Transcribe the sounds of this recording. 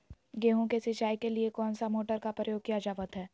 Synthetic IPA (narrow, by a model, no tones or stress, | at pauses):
ɡeːɦõkesɪt͡ʃaːikeliekɔːnsamoːʈəɾkapɾəjoːɡ̚kijad͡ʒaːʋət̪ɦɛː